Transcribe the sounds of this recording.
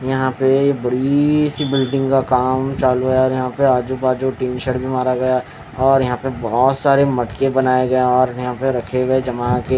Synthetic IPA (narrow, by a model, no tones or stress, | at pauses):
jɐɦãpejebɐɽisibɪlɖɪ̃ŋɡkakaːmt͡ʃaːluɡɐjaɔːɾjɐɦãpeaːd͡ʒupaːd͡ʒoʈiːnʃəɽbʱimaːɾaɡɐja | ɔːɾjɐɦãpebɔɔːt̪saːɾemɐʈkebɐnaːeɡɐeɔːɾjɐɦãpeɾɐkʰeʋed͡ʒɐmake